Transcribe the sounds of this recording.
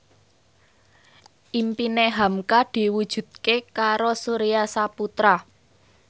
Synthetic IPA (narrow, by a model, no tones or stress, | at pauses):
ʔimpineɦamkad̪̥i̤wud̥ʒ̥ṳd̪̚kekaɾosuɾijasaput̪ɾa